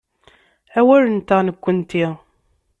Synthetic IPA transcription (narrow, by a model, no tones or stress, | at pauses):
æwæɾənt̪aʁnəkʷːənt̪i